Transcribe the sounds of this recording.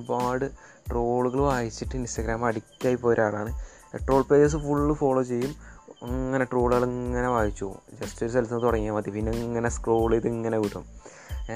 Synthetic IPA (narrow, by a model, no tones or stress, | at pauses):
baːɽɨ | ʈroːɭuɣɐɭʋaːjit͡ɕːiʈːɨinstɐɡɾaːmɐɽikʲːaːjipːoːjɾaːɽaːɳɨ | ʈro̞ːɭpeːd͡ʑɐs̬ɨfuɭːɨfo̞ːɭoːt͡ɕe̞jːumɐŋːɐne̞ʈroːɭuɣɐɭɐŋːɐneʋaːjit͡ɕːuṵd͡ʑɐstoɾuselsɐnːt̪uɽɐŋːijaːmɐt̪ːipinːeŋːɐneskroːɭejðiŋːɐneʋiɽːum